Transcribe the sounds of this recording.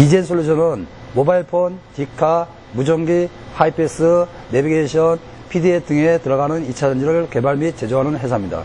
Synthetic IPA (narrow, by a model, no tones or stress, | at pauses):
id͡ʑensʰuɭːud͡ʑʰʌnɯnmobaiɭpʰontikʰa | mud͡ʑʌŋɡi | haipʰes͈ɯː | ebiɡeɕʰʌn | pʰidiet͈ʰɯŋe̞tɯɾʌɣanɯnit͡ɕʰad͡ʑand͡ʑiɾɯɭke̞baɭmit͡ɕe̞d͡ʑoɦanɯnɦe̞sʰamɲida̰